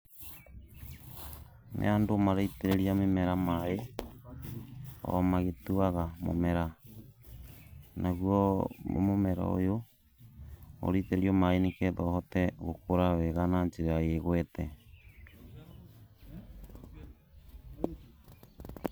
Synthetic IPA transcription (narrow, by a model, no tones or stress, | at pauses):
nʔḛandomaɾaiteɾeɾiamemɛɾamae | ɔ̰maɣetuaɣamo̰mɛɾa | nʔaɣwɔ̰momɛɾa̰o̰jo | o̰ɾeteɾeɾiɔmaenikɛðɔːhɔtɛɣokoɾawɛɣananeɾeajeɣwɛtɛ